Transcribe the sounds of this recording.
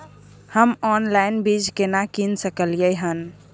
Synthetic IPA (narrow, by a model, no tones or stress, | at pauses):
həmɔnlainbid͡ʒkenakinsəkəlijəjɦən